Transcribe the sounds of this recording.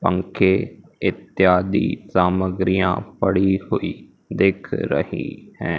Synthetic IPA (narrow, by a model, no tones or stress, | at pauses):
pə̃ŋkʰeː | ɪt̪jaːd̪ḭːsaːməɡɾijã̰ːpəɽiːhoːiː | d̪ekʰɾə̰hḭːhɛ̃ː